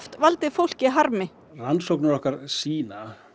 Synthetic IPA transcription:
ft̪valt̪ɪfowl̥cɪɦaɾmɪ | lansowknaɾɔhkaɾ̥siːna

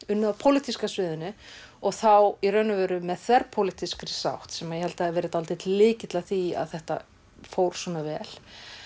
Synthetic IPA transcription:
ʏnːaðpʰowlɪt̪ʰiskasvɪːðʏnʏɔɣθawirœnʏvɛːɾʏmɛðθvɛɾpʰowlɪt̪iskɾɪsa̰wht̪sɛmajɛhɛlt̪aɛɛvɛːɾɪt̪alt̪ɪt̪lɪːcɪt̪laθia̰ðθɛht̪a̰ | fowɾ̥swɔnavɛːl̥

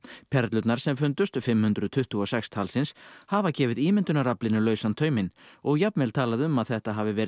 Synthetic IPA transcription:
pʰɛɾt̪lʏt̪naɾ̥sɛmfʏnt̪ʏst̪fɪmːhʏnd̪ɾʏðt̪ʰʏht̪uɔsɛkst̪ʰalsɪnshaːvacɛːvɪðiːmɪnt̪ʏnaɾaplɪnɪlœːɥsant̪ʰœːɥmɪnɔɣjapnmɛlt̪ʰaːlaðʏmaðθɛht̪aɦaːvɪvɛːɾ

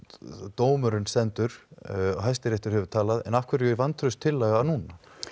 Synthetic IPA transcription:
t̪oːwmʏɾʏnst̪ɛnt̪ʏɾ̥ɔɣɦajst̪ɪɾejht̪ʏɾ̥hɛvʏɾ̥t̪ʰaːlaðɛ̰nafkʰvɛɾjʏɾvant̪ʰɾʏst̪ʰːɪlːaːɣanuːna

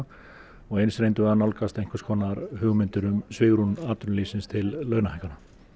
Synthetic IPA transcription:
ɔɣejnsɾejnt̪ʏvɛðanawlkast̪ejŋ̥kʏ̥skʰɔːnaɾhʏɣmʏnt̪ʏɾʏmsvɪːɣɾunaːt̪ʏɾnliːsɪnst̪ʰɪlːœːɣnahɛjkːana

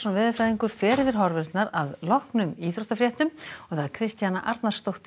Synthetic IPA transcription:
sɔnvɛːðʏfɾajðiŋkʏɾ̥fɛːɾɪvɪɾ̥ɦɔɾvɛɾt̪naɾaðlɔhknʏmiːθɾoht̪afɾjɛht̪ʏmɔɣðaðkʰɾɪst̪janaʔaɾt̪naɾst̪owht̪

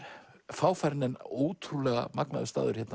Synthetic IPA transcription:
faːwfaɾnɪnowt̪ʰɾulɛɣa̰makna̰ðʏst̪a̰ːðʏɾ̥çjɛt̪n

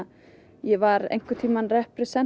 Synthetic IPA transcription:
jɛvaɾḛjŋ̥kʏt̪ʰiːmanrɛhpɾɛsɛn

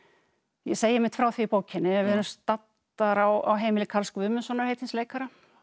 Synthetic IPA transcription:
jɛseːjɪɪmɪn̥t̪fɾaːwθviːpoːwcʰɪnːɪɛvɪɛɾmst̪at̪ː | aɾawa̰wɦeːjmɪlɪkʰalskvʏːmʏsɔːnaɾ̥hejt̪ɪnsleːjkaɾa

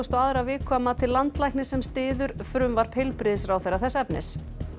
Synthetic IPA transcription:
st̪ɔaðɾavɪːkʰvaːmat̪ʰɪlːant̪lajknɪsɛmst̪ɪːðʏɾ̥fɾʏmvaɾ̥pʰejlpɾɪðsɾawθɛɾːaθɛsɛpnɪ̰s

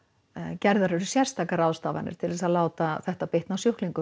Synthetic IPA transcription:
cɛɾðaɾʏɾʏsjɛɾ̥st̪ʰaːkaɾaːwðst̪aːva̰nɪ̰ɾ̥t̪ʰɪlðɛsaðlaːwt̪aθɛht̪apɪht̪nawsjohkliŋkʏ

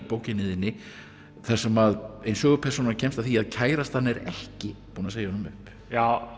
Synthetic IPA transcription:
poːwcɪnɪːðɪnːɪ | θɛsɛmaðejnsœːɣʏpʰɛɾ̥sownacʰɛnmst̪avθiaðcʰaːjɾast̪hanːɛɾɛ̰hcɪpuːnaseːjahɔnmʏhp | jaːw

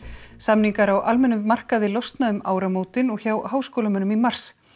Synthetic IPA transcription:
samniŋkaɾawʔalmɛnːʏmar̥kaðɪlɔwst̪naðʏma̰ːwɾamoːwt̪ɪnɔɣçawhaːwskoːlamʏnʏmimar̥s

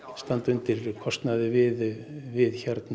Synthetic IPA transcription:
st̪ant̪ʏnt̪ɪɾkʰɔst̪naðɪvɪðvɪðçaɾt̪n

